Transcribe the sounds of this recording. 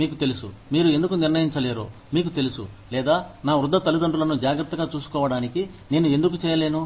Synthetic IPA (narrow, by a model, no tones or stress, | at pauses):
miːkut̪e̞lusṵmiːɾuend̪ukuniɾnɐjiɲt͡ʃɐle̞ːɾo̰ː | miːkut̪e̞lusṵ | lɛːd̪aːnaːʋɾud̪ʱːɐt̪ɐlid̪ɐɳɖulɐnud͡ʒaːɡɾɐt̪ːɐɡaːt͡ʃuːsu̥kɔːʋɐɽaːniki | ne̞ːnue̞nd̪ukut͡ʃɛːjɐle̞ːnu